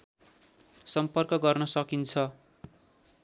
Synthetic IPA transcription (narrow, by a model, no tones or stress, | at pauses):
sʌmpʌrkʌɡʌrnʌsʌkint͡sʰʌ